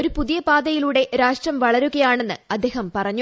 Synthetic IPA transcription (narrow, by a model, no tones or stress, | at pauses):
oɾupuðijɐbaːd̪ɐjiluːɽe̞ɾaːʂʈrɐmʋɐɭɐɾuɣɐjaːɳe̞nːɨɐd̪ʱːe̞ːɦɐmpɐrɐɲː